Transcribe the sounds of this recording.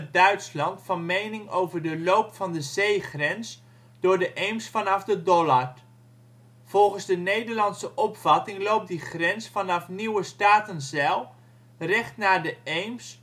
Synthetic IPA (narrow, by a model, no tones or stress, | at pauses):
dœɥtslɑntfɑnmejnɪŋowvəɹdəlowpfɑndəzejχrɛns | d̥ʊːɹdəʔejmsfɑnɑfdədɔlaɹ | v̥ɔlˠχənzdənejdəɹlɑntsəʔɔpfɑtɪŋlowp̚diχrɛnsfɑnɑfniwəstaːtənzɛlˠ | rɛχtnaːdəejms